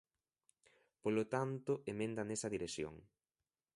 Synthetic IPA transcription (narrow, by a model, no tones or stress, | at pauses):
polot̪ant̪ʊemẽnd̪ɐnesɐðiɾesjo̰ŋ